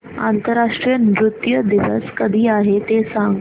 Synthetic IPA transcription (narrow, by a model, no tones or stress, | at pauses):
a̰nt̪əɾaʂʈɾijənɾut̪jəd̪iʋə̰skəd̪ʱiːaɦet̪esa